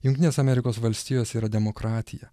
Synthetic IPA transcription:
jʊŋʲkt̪ʲɪnʲeːsɐmʲɛɾʲɪkoːsʋɐlʲsʲt̪ʲiːjoːsiːɾɐd̪ʲɛmokɾɑːt̪ʲɪjɛ̰

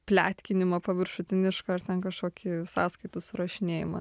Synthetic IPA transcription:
pʲlʲæːt̪ʲkʲɪnʲɪmɐpɐʋʲɪɾʃʊt̪ʲɪnʲɪʃkɐɐrt̪ʲɛnkɐʃkoːkʲɪsɑːskɐɪt̪ʊsʊɾɐʃʲɪnʲeːjɪmɐ̰

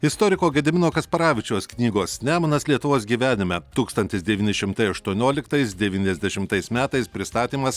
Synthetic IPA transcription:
ɪst̪oːɾʲɪkoːɡʲɛd̪ʲɪmʲɪnoːkɐspɐɾɑːʋʲɪt͡ʃʲoːsknʲiːɡoːsnʲæːmɐnɐslʲiɛt̪ʊʋoːs̬ɡʲiːʋʲæːnʲɪmʲɛt̪uːkst̪ɐnʲt̪ʲɪsd̪ʲɛʋʲiːnʲɪʃʲɪmt̪ɐɪɐʃt̪uɔnʲoːlʲɪkt̪ɐɪsd̪ʲɛʋʲiːnʲɛzʲd̪ʲɛʃʲɪmt̪ɐɪsmʲæːt̪ɐɪspʲɾʲɪst̪ɑːt̪ʲiːmɐs

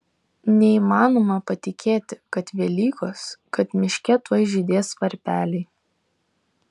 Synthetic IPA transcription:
nʲɛiːmɑːnoːmɐpɐt̪ʲɪkʲʰeːt̪ʲɪkɐt̪ʋʲɛlʲiːkoskɐt̪mʲɪʃʲkʲɛt̪ojʒʲɪd̪ʲeːsʋɐɾʲpʲæːlʲɛɪ

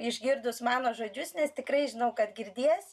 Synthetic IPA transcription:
ɪʒʲɡʲɪrd̪ʊsmɑːnoːʒoːd͡ʒʲʊsnʲɛst̪ʲɪkɾɐɪʒʲɪnɐʊkɐt̪ɡʲɪɾʲd̪ʲiɛjs

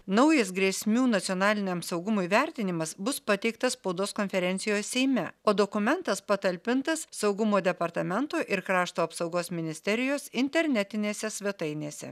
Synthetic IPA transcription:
nɐʊjɐsɡɾʲiɛsʲmʲuːnɐt̪sʲɪoːnɑːlʲɪnʲɛmsɒʊɡʊmʊːiʋʲɛɾʲt̪ʲɪnʲɪmɐsbʊspɐt̪ʲɛɪk̚t̪ɐsspɐʊd̪oːskonʲfʲɛɾʲɛnt̪sʲɪjoːssʲɛɪmʲɛoːd̪oːkʊmʲɛnt̪ɐspɐt̪ɐlʲpʲɪnt̪ɐssɒʊɡʊmoːd̪ʲɛpɐɾt̪ɐmʲɛnt̪oːʔɪɾkɾɑːʃt̪oːɐpsɐʊɡoːsmʲɪnʲɪsʲt̪ʲɛɾʲɪjoːsɪnʲt̪ʲɛɾʲnʲɛt̪ʲɪnʲeːsʲɛsʲʋʲɛt̪ɐɪnʲeːsʲɛ̰

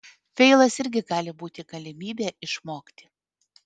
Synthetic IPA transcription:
fʲɛɪlˠɐsɪɾʲɡʲɪɡɑːlʲɪbuːt̪ʲɪɡɐlʲɪmʲiːbʲeːʔɪʃmoːkʲt̪ʲɪ̥

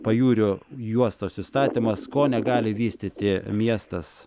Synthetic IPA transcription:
pɐjuːɾʲʊjuɔst̪oːsʲɪst̪ɑːt̪ʲimɐskoːnʲɛɡɑːlʲɪʋʲiːsʲt̪ʲɪt̪ʲɪmʲiɛst̪ɐs

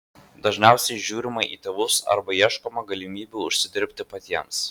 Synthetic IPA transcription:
d̪ɐʒʲnʲæˑʊsʲɛɪʒʲuːɾʲɪmɐɪʔiːt̪ʲeːʋʊsɐ̰ɾbɐiɛʃkoːmɐɡɐlʲɪmʲiːbʲuːʊʃʲsʲɪd̪ʲɪɾʲpʲt̪ʲɪpɐt̪ʲiɛms

